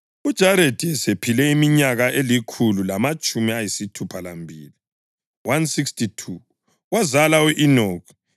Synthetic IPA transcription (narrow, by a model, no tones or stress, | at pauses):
ud̥ʒ̥ʱaɾedʱiɛsepʰilɛimiɲaɣaʔelikʰululamat͡ʃʼumiajisitʰupʰalambʱḭːli | wansikstʰitʰu | wazalauʔinoːkʰɔ̥